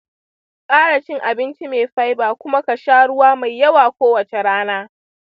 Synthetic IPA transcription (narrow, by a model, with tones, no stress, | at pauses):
kʼaː˦ɽa˨t͡ʃɪ˦ŋʔa˨bɪ˦nt͡ʃi˦meː˨ɸa˦jbaː˨kʷʊ˦ma˦kɐ˨ʃaː˦ɽʊ˦waː˦ma˨jːɐ˦waː˨kʷoː˦wɐ˨t͡ʃe˨ɽaː˦naː˦